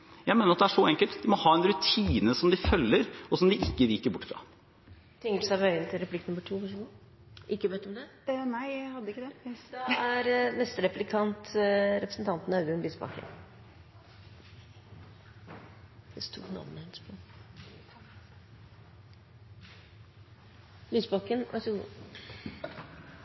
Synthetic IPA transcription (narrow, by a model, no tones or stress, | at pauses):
jæɪmeːnəɾɑt̪̚d̪ɛæʂɔɛŋkəlt̪d̪ɪmɔhɑːɛnɾʉt̪ʰiːnəsɔmd̪ɪfœlːəɾɔsɔmd̪ɪʔɪkːəliːkəɾbʊʈːfɾɑ̰ | t̪ʰɪŋəʈsæʋœʏənt̪ʰɪlɾɛpʰlɪkːnɔmːəʈʰuːpæʂ̬uːnə | ʔɪkːəʋɛt̪ːɔmd̪ɛnæɪhɑd̪ːəɪkːəd̪ɛd̪ɛæɾnɛst̪əɾɛplɪkʰɑnt̪ɾɛpɾəsən̩t̪ʰɑnt̪nɑʉd̪əʉnbisbɑ̰kə̰n | d̥̪ɛst̪ʰṵːknɑ̰ʋnəhɛnspʰo | lyːsbɑkənʋʔɑ̰ɾsəɡṵː